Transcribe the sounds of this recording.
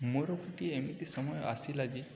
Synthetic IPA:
muɾɔkʰiʈiemit̪isɔmɔjɔʔa̰silad͡ʒi

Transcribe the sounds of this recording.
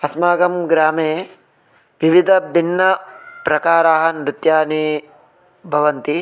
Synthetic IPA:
ɐsmaːɡɐmɡɾaːmeː | ʋiʋid̪ʱɐbʱinːɐpɾɐkaːɾaːɦɐnɾut̪jaːni | bʱɐʋɐnt̪i

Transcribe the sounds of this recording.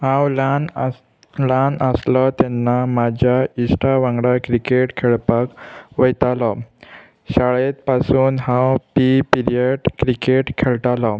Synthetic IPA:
hãwlan | lanəslɔt̪ɛnːamad͡ʑʱjaisʈaʋãŋɡɽakɾikeʈkʰeɭpakʋəjt̪alɔ | ɕaɭet̪pasuːnɦãwpipiɾijeɖkɾikeʈkʰeɭʈ̪alɔ

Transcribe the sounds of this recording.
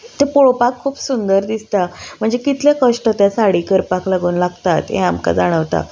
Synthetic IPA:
t̪epoɭopakʰːuːpsund̪əɾd̪ist̪am̤əɳd͡zekit̪ljakəʂʈət̪jasaɽiːkəɾpaklaɡuːnlaɡt̪at̪ɦḛ̃amka̰d͡zaɽ̃əʋt̪a̰

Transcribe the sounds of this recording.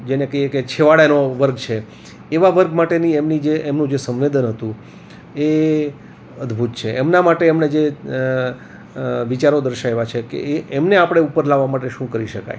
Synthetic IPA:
d͡ʒenekəɦijeket͡ʃʰeʋaɽenoʋəɾɡ̚t͡ʃʰe | eʋaʋəɾɡmaʈeniemnid͡ʒeʔːmnũd͡ʒesə̃mʋed̪ənɦət̪ũ | e | əd̪bʱut̪t͡ʃʰeʔɛmnamaʈeɛmned͡ʒe | ʋit͡ʃaɾod̪əɾʃaeʋat͡ʃʰekḛɛmneapəɽ̃eupəɾlaʋːamaʈeʃũkəɾiʃəka̰j

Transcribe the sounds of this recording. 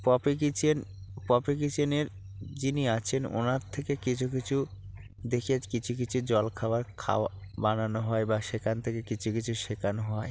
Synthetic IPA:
pɔpikit͡ɕʰenpɔpik̬it͡ɕeneɾ | d͡ʑiniat͡ɕʰeno̰naɾt̪ʰekekit͡ɕʰukit͡ɕʰu | d̪ekʰiad͡ʑkit͡ɕʰuk̬it͡ɕʰud͡ʑɔlkʰabaɾkʰa̰abananoɦɔebaʃekʰant̪ʰekekit͡ɕʰukit͡ɕʰuʃekʰanoɦɔe

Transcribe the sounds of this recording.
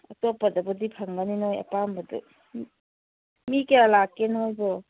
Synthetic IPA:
ɐtɔpɐdabɔdipʰaŋɡaninojɐ̰pambɐdṵ | mikeɾalakːenojbɔ

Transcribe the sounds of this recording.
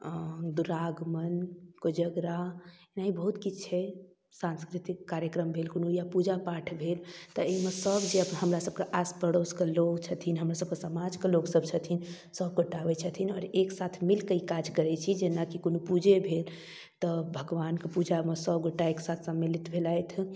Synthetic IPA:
d̪uɾaɡmənkod͡ʒəɡɾa | naibəɦut̪kit͡ʃʰɛ | sãnskɾit̪ikːaɾjəkɾəmbʱelkonujapud͡ʒapaʈʰbʱelt̪ɔemesəbd͡ʒeəpɦəmɾasəb̚keʔaspəɽoskelokt͡ʃʰət̪ʰinɦəmɾasəbkesəmad͡ʒkeloksəb̚t͡ʃʰət̪ʰin | səb̚ɡoʈːabɛt͡ʃʰət̪ʰinɔːɾeksat̪ʰmilkəikad͡ʒkəɾɛt͡ʃʰid͡ʒenakikonupud͡ʒʱebʱel | t̪ɔbʱəɡʋankepud͡ʒamesəbɡoʈːaeksat̪ʰsəmːelit̪bʱelajt̪ʰ

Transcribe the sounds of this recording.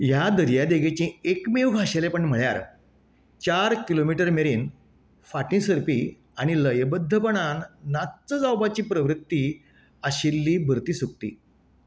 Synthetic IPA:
jad̪əɾjad̪eɡet͡ɕĩekmeʋbʱaɕelepəɳm̤əɭja̰ɾ | t͡ɕaɾkilomiʈəɾmeɾiːn | faʈĩsəɾpiː | aɽ̃iləjbəd̪ʱːəpəɳ̃anːat̪t͡səd͡zawbat͡ɕiːpɾəʋɾit̪ːiː | aɕilːiːbʱəɾt̪iːsuk̚t̪ḭː

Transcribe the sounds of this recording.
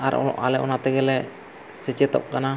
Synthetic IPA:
aɾa̰lɛʔɔnat̪ɛɡɛlɛ | sɛt͡ʃɛt̪ɔ̰ʔ̚kana

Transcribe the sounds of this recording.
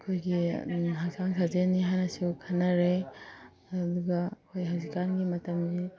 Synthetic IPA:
ɐkʰojɡiɦasaŋsʰazeniɦajnɐsukʰɐnːɐɾe | ɐd̪uɡɐɐkʰojɦawzikanɡimɐtɐmdi

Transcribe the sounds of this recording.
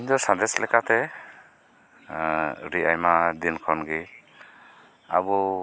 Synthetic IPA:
nd̪ɔsad̪ɛslɛkat̪ɛ | ɾiajmad̪inkʰɔnɡi | a̰bɔ

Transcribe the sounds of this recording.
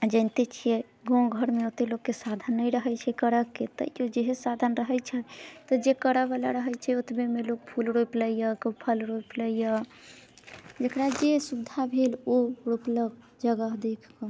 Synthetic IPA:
ad͡ʒə̃ɪnt̪et͡ʃʰijɛ | ɡõɡʱəɾmeot̪eloɡkːesad̪ʱənːəjɾəɦɛt͡ʃʰɛkəɾəkːet̪ə̰iod͡ʒeɦesad̪ʱənɾəɦɛt͡ʃʰɛt̪ɔd͡ʒekəɾəbalaɾəɦɛt͡ʃʰɛot̪bemelok̚pʰulɾopləijəkopʰəlɾopləijə | d͡ʒekɾad͡ʒesubd̪ʱabʱeloɾopləɡ | d͡ʒəɡəɦd̪ekʰkɔ

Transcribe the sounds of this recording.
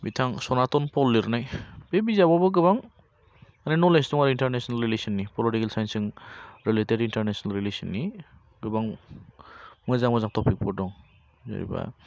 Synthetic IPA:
bitʰaŋsɔnatɔnpɔlːiɾnajb̥ebizababɔɡɯβaŋ | aninɔlesdɔŋaɾintaɾnesɔnalɾilesɔnːipɔlitikelsajnsɯŋɾileteɾintaɾnesnalɾilesinːi | ɡɯbaŋ | mɯzaŋbɔzaŋtʰɔpʰik̚pʰɔdɔŋ | za̰ɾḭba̰

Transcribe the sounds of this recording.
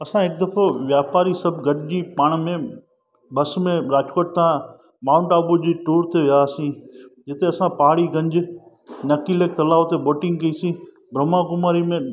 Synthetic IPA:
ɐsãːɦɪk̚d̪əpʰoʋjaːpaːɾiːsəbɡʱəʈd͡ʑiːpaːɳ̃mẽ | bəsmẽɾaːd͡ʒkoːʈ̚t̪ãː | maːʊ̃ɳʈaːbud͡ʑiːʈoːɾt̪eʋɪjaːsĩːd͡ʒɪt̪eɐsãːpaɦaɽiːɡə̃ɲd͡ʒ | nɐkiːleːk̚t̪ɐlaːʋt̪eboːʈɪ̃ŋɡ̚kɐiːsĩː | bʱɾəmãːkʊmaːɾimẽː

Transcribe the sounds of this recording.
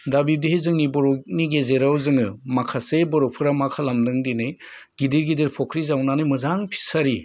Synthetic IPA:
dabib̚diɦejzɯŋnibɔɾɔniɡezeɾawzɯŋɯmakʰasebɔɾɔpʰɯɾamakʰalamdɯŋdinɯjɡ̥idiɾɡidiɾpʰɔkʰɾizawnanɯjmɯzaŋpʰi̥saɾi

